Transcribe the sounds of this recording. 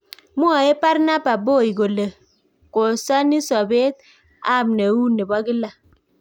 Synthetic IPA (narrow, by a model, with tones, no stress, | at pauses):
mu˦a˨e˦pa˦ɾna˦ba˨bo˦˨i˨ɡo˨le˨ | ko˨sa˦ni˦sɔ˨be˦t̚ | a˦˨mne˨wu˦ne˨ba˦ɡi˦la˨